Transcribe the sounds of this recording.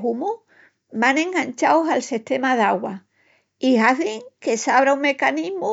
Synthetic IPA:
ɦumu | mãnẽ̞ŋɡant͡ʃaosalsiht̪e̞maðaɣwa | iɦaθiŋke̞saβɾauŋme̞kaniɦmu

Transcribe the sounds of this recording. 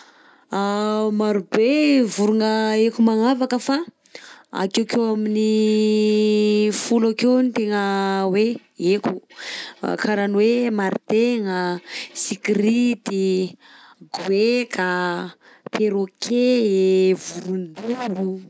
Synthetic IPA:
amaɾubevuɾuŋəekumaŋavakəfa | a̰kewkewamini | fulakenit̪eŋəwe | ekṵ | kʰaɾanwemaɾit̪eŋəsikiɾit̪i | ɡwekʰa | pʰeɾokʰe | vuɾund̪ulu

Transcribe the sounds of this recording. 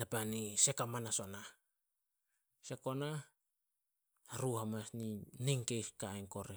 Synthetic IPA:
napanise̞kamanaso̞na | se̞ko̞na | aɾuhamasniniŋkejskaeŋko̞ɾe

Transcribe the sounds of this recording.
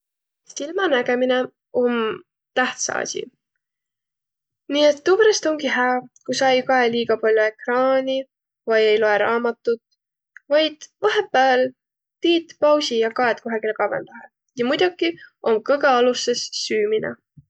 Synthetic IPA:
silmɑnæɡe̞mine̞ | o̞m | t̪æht̪sɑ̰ɑ̰sʲḭ | niːet̪ːubɾest̪o̞ŋɡiɦæɑkusɑjkɑeliːɡ̥ɑpɑlʲjue̞krɑːnʲi | vɑje̞jloe̞ɾɑːmɑt̪ːˑut̪ | vɑjd̪̥vɑɦe̞pːˑæːl | t̪iːt̪pɑwsijɑkɑet̪̚koɦɑɡ̥ilekɑvḛnd̪̥ɑɦe | jɑmujd̪ukːiʔo̞mkɤɡɑɑlusesːyːminɑ̰

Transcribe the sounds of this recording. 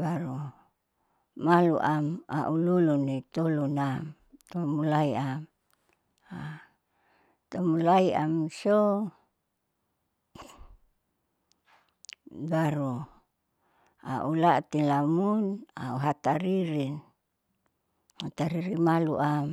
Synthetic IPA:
baɾu | malṵʔama̰ʔululunit̪olunam | t̪omulaiam | a | t̪omulaia̰mso | baɾu | a̰ʔulat̪inlamuna̰uɦat̪aɾiɾin | hat̪aɾiɾimaluʔam

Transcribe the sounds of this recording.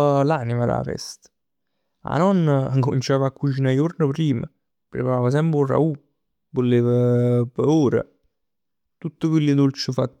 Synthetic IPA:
lanimala̰fɛ̰st̪ | a̰nɔnːaŋkomint͡ʃaːvakːut͡ʃinajurnəpɾiːmə̰ | pɾepaɾaːvəs̬ɛmpɾura̰u | volːeːvəpəuːɾə̰ | t̪ut̪ːəkwilːɪd̪ult͡ʃɪfat̪ː

